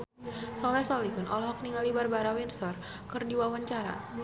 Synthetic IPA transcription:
sɔlɛsɔliɦʊnɔ̰lɔɦɔk̚niŋalibarbaɾawɛnsɔr | kɨrdiwawaɲt͡ʃaɾa̰

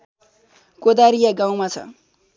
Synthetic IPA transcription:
kod̪aɾijaɡãw̃mat͡sʰʌ̰

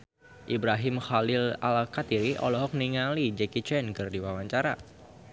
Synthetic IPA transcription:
ʔibɾaɦɪmxalɪla̰lkat̪iɾiʔɔ̰lɔɦɔk̚niŋalid͡ʒɛkit͡ʃɛnkɨrdiwawaɲt͡ʃaɾa

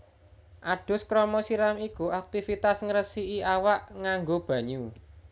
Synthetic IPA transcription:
ʔaɖ̥ʊ̤skɾɔmɔsiɾamikuak̚t̪ifit̪asŋəɾəsiiʔawaʔŋaŋɡob̥ä̤ɲu

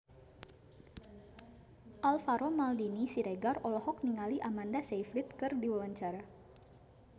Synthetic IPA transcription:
ʔalfaɾɔmaldinisiɾeɡarɔlɔhɔk̚niŋaliʔamandasejfɾit̪̚kɨrdiwawaɲt͡ʃaɾa

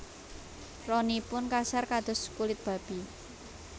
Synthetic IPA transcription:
rɔnipʊnkasarkad̪̥ɔ̤skulɪt̪̚b̥a̤b̥i̤

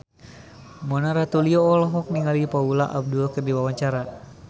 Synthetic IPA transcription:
mɔnaɾat̪uliɔːlɔɦɔk̚niŋalipaulaʔab̚duɔkɨrdiwawaɲt͡ʃaɾa

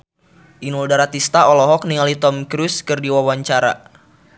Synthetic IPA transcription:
ʔinuldaɾat̪ist̪aɔlɔɦɔk̚niŋalit̪ɔmkɾuskɨrdiwawaɲt͡ʃaɾa̰

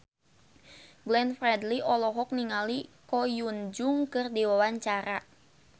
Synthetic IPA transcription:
ɡlɛnfɾɛdliʔɔlɔɦɔk̚niŋalikɔjund͡ʒʊŋkɨrdiwawaɲt͡ʃaɾa

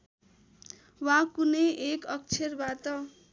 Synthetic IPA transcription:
wakuneʔekʌk̚t͡sʰerbat̪ʌ

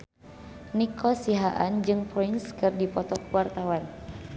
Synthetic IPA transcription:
nikʰɔsiɦaʔand͡ʒɨŋpɔinskɨrdipɔt̪ɔkuwart̪awan

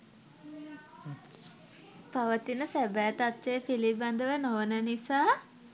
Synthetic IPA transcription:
paʋət̪inəsæbæːt̪at̪seəpiliband̪əʋenoʋənənisaː

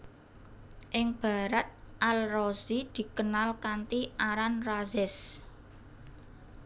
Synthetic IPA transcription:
ʔɪŋb̥a̤ɾat̪̚ʔalrozid̪̥i̤kənalkant̪iʔaɾanrazɪs

